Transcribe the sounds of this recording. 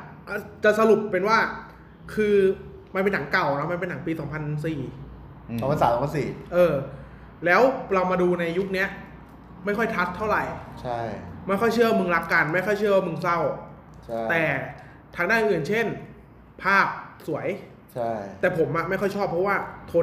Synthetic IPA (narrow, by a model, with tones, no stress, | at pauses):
ʔa˨˩t͡ɕa˨˩ʔsa˧lu˨˩pːe˧nwaː˥˩ | kʰɯː˧ | ma˧npe˧na˩˦ŋka˨˩wɾa˧˦˥wma˧np̬e˧na˩˦ŋpiː˧sɔː˩˦ŋpʰa˧ns̬iː˨˩ | ɔː˨˩˦pʰa˧nsaː˦sɔː˨˩˦pa˧nsiː˨˩ʔɤː˧ | lɛː˦˥wɾa˧wmaː˧duː˧na˧jːu˦˥k̚ni˦˥ɐ | ma˥˩jkʰɔ˥˩jt̪ʰa˦˥t̪ʰːa˥˩wɾa˨˩jt͡ɕʰa˥˩ma˥˩jkʰɔ˥˩jt͡ɕʰɯ˥˩wa˧mɯ˧ŋɾa˦˥kːa˧nma˥˩jkʰɔ˥˩jt͡ɕʰɯ˥˩ɐwa˥˩mɯ˧ŋsa˥˩wʰ | t̪ɛː˨˩ | t̪ʰaː˧ŋdaː˥˩nʔɯ˧nt͡ɕʰe˥˩n | pʰaː˥˩k̚su˩˦əj | t͡ɕʰa˥˩t̪ɛː˨˩pʰo˩˦mːʔa˨˩ma˥˩jxɔ˥˩jt͡ɕʰɔː˥˩pʰɾɔ˦˥waː˥˩t̪ʰoː˧